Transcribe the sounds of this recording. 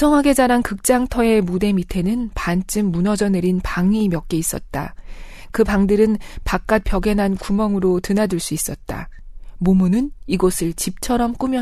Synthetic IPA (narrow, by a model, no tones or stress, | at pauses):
ʌŋɦaɡe̞d͡ʑaɾankɯk̚t͡ɕ͈aŋtʰʌe̞mude̞mitʰe̞nɯnpant͡ɕ͈ɯmːunʌd͡ʑʌne̞ɾinpaŋimjʌk̚k͈e̞is͈ʌt̚t͈a̰ | kɯpaŋdɯɾɯnpak͈̚at̚p͈jʌɡe̞nɦankumʌŋɯɾotɯnadɯɭs͈uis͈ʌt̚t͈a̰momunɯniɡosʰɯɭt͡ɕip̚t͡ɕʰʌɾʌmk͈umjʌ